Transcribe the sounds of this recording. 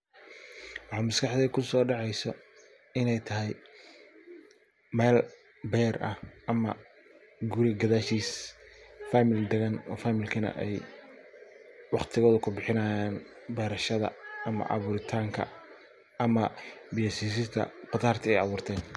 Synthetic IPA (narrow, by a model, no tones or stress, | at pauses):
wɑħɑːmɐskʰɑħd̪ɛkʰʊsɔːɖɑʕɛjsɔ | ɪnɛjt̪ʰɐɦɛj | mɛːl | bɛːrʔɐhɐmɐ̰ | ɡʊɾɪɡɐðaːʃiːs | famɪld̪ɛɣɐnɔ̰ːfaːmɪlkʰɐnɐ̰ʔɛj | wɑχt̪ʰɪɣɔːðʊkʰʊbɪħɪnɐːjaːn | bɛːɾɐʃɐðɐ̰ɐmɐ̰ʔɑ̰βuːɾɪt̪ʰaːŋkʰɐ̰ | ɐmɐbɪjɔsiːs̬ɪst̪ʰɐ̰qɑt̪aːrt̪ʰɪɛjɑβuːrt̪ʰɛːn